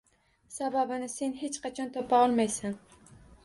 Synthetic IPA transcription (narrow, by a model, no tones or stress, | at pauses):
sababɪnɪse̞nhe̞t͡ʃqʰɑt͡ʃʰɒnt̪ʰɒpʰaɒlˠmajsan